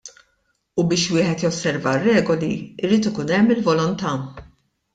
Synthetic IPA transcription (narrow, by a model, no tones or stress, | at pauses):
ubɪːʃwɪːħɛt̪jɔsːɛɾvɐrːɛːɡɔliɪɾiːt̪ɪkuːnɛmːɪlvɔlɔnt̪ɐ